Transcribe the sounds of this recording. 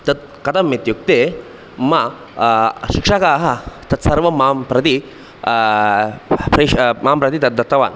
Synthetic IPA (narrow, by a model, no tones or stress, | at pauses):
t̪ɐt̪̚ | kɐt̪ɐmːit̪juk̚t̪e | ma | ɕikʂakaɦɐt̪ɐt̪sɐɾʋɐmampɾɐt̪i | pɾɐmampɾɐt̪it̪ɐt̪̚d̪ɐt̪ːɐʋa̰n